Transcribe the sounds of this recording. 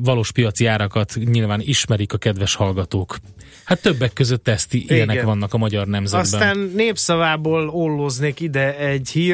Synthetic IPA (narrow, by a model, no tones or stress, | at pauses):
vɒloːʃpijɒt̪siaːɾɒkɒt̪ɲilvaːniʃmɛɾikɒkɛd̪vɛʃhɒlɡɒt̪oːk | hat̪ːøbːɛkːøzøt̪ːɛst̪iʔijɛnɛkʋɒnːɒkɒmɒɟɒrnɛmzɛsbɛaːnːeːpsɒvaːboːlolːozneːkid̪ɛɛɟhiː